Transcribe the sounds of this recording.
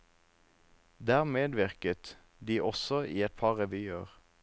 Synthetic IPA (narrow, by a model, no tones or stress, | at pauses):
d̪æːʁmeːd̪ʋɪʁkət̪ | d̪iːʔɔsɔʔiːɛt̪̚pʰɑʁɛʋyːəʁ